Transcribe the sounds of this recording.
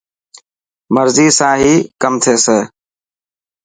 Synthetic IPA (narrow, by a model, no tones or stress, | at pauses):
məɾziːsãːɦiːkəmt̪ʰeːseː